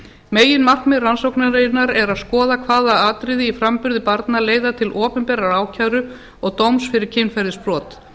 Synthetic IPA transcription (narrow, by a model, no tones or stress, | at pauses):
meːjɪnmar̥kmɪransowknaɾejɪnaɾɛɾaðskɔːðakʰvaːðaaːt̪ɾɪðɪifɾampʏɾðɪpaɾt̪naleːjðat̪ʰɪlʔɔːpʏnpɛːɾaɾaːwcʰawɾʏ | ɔɣt̪owmsfɪɾɪɾ̥cʰɪnfajɾðɪspɾɔːt̪